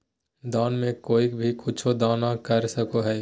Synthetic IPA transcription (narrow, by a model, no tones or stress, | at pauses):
d̪aːnmẽkoːikbʱikʊt͡ʃʰod̪aːnakɐɾsəkoɦɛː